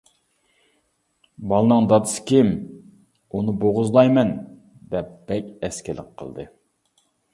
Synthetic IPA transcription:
bɑlˠɨnɨŋd̪ɑd̪ɨsɨ̥kʲɪm | unɨboʁʊzlˠɑjmɛn | d̪ɛp̚b̥ɛkʲɛskʲɪlɪ̰kqʰə̰lˠd̪ɨ

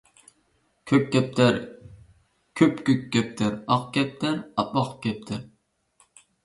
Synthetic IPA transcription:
kʲʰøp̚kʲɛp̚t̪ʰæɾ | kʲʰøpkʲɵkʲːɛp̚t̪ʰɪɾɑqkʲɛp̚t̪ʰæɾɑp̚ɑqkʲɛp̚t̪ʰɪɾ

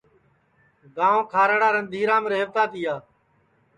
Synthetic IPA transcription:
ɡãːõːkʰaːɾəɽaːɾənd̪ʱiːɾãːməɾeːʋt̪aːt̪iːaː

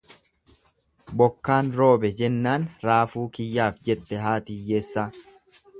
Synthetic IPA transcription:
bɔkːaːnɾo̞ːbɛd͡ʒɛnːaːnɾaːfuːkɪjːaːfd͡ʒɛt̪ːɛɦaːt̪ɪjːeːsːa

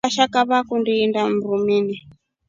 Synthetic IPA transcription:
aʃakaβakundiːndam̩ɾumini

